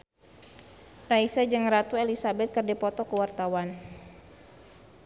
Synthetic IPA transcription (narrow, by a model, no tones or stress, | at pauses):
raisad͡ʒɨŋrat̪uelisabɛt̪̚kərdɛpɔt̪ɔkəwart̪awan